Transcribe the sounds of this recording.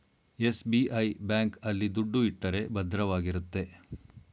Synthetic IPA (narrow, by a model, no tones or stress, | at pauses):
esbiʔɐjbjaːŋkɐlːid̪uɖːuiʈːɐɾe̞bɐd̪ɾɐʋaːɡiɾut̪ːe̞